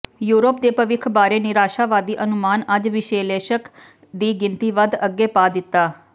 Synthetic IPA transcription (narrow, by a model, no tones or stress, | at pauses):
juːɾoːpd̪eːpəʋɪkʰbaːɾeːnɪɾaːʃaːʋaːd̪iːʔənʊmaːnəd͡ʒʋɪʃeːleːʃək | d̪iːɡɪ̃nt̪iːʋəd̪əɡːeːpaːd̪ɪt̪ːaː